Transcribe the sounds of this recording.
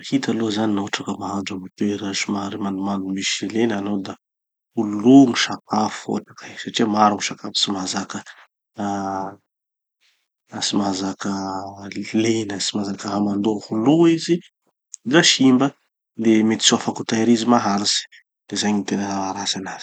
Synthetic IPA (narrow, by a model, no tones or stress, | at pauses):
hit̪alozaninoɦaʈ͡ʂakəmaɦad͡ʒamut̪eɾasimaɾimand̪umand̪umiʃlenanowd̪a | ululuŋiʃap̚ʰafuo̰ʈ͡ʂḁkisaʈ͡ʂiamaɾuŋiʃakafi̥simazakə | simazakə | lenəsimazakəɦamand̪ohuluizi | daʃimbə | lemet̪i̥suafakut̪aɾizimaɦaɾisi̥ | d̪̥ezajɲint̪enəaaɾasanaz̥i̥